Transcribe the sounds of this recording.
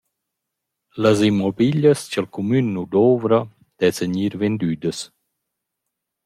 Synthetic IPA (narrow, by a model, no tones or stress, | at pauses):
ləzimːɔbiʎəst͡ɕəlkumynːud̪ovɾa | d̪̥ɛsəɲiɾvend̪yːd̪əs